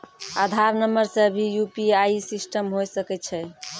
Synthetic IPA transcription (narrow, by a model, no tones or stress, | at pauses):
ad̪ʱaɾnəməɾsẽəbʱijupiaisisʈəmɦojsəkɛt͡ʃʰɛ